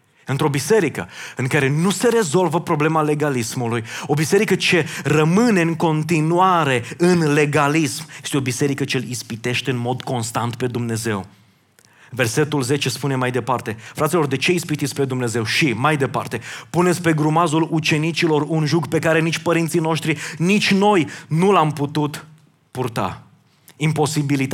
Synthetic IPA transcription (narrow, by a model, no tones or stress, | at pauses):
ɨnt̪ɾo̞bise̞ɾikəɨŋkaɾe̞nuse̞ɾe̞zo̞lvəpɾo̞ble̞male̞ɡalismulujo̞bise̞ɾikət͡ʃe̞rəmɨne̞ɨŋko̞nt̪inuaɾe̞ɨnle̞ɡalismjest̪eo̞bise̞ɾikət͡ʃelispit̪e̞ʃt̪e̞ɨnmo̞d̪ko̞nst̪ant̪pe̞d̪umne̞ze̞̰w | ve̞rse̞t̪ulze̞t͡ʃe̞spune̞majd̪e̞part̪e̞fɾat̪silo̞rd̪e̞t͡ʃe̞ispit̪it̪sʲpe̞d̪umne̞ze̞wʃimajd̪e̞pa̰rt̪e̞pune̞t̪sʲpe̞ɡɾumazulut͡ʃe̞nit͡ʃilo̞runʒuɡpe̞kaɾe̞nit͡ʃʲpəɾint̪sino̞ʃt̪ɾinit͡ʃʲno̞jnulamput̪ut̪ | purt̪a̰ | impo̞sibilit̪a